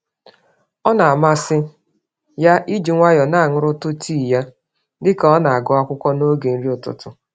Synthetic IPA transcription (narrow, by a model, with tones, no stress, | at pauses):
ɔ˦na˨a˨ma˦sɪ˦ | ja˦ʔi˦d͡ʒi˨ŋʷa˦jɔ˨na˦˨ŋʊ˦ɾʊ˦tʊ˦tʰi˦˨ja˦ | dɪ˦kɔ˦na˨a˨ɡɔ˦a˦kʷʊ˦kʷɔ˦no˦ɡe˨n̩˦ɾi˦ʊ˨tʊ̰˨tʊ˨